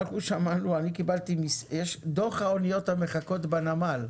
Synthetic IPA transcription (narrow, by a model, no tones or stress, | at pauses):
lχuʃamanuanikibalt̪imiseʃd̪oχhaonijo̞t̪hameχako̞t̪banamal